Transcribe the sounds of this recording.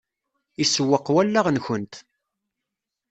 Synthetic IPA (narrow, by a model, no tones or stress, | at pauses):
isəwːəqːwælːaʁnçənt̪